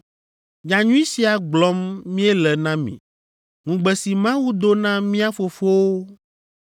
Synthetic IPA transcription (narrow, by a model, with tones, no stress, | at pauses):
ɲa˨ɲũ˦ĩ˦si˨a˨ɡ͡blɔ˦mːĩ˦ɛ˦lɛ˨nã˦mḭ̃˨ | ŋũ˨ɡ͡bɛ˨si˨mã˦wu˦d̪o˦nã˦mĩ˦a˦fo˨fo˦wo˦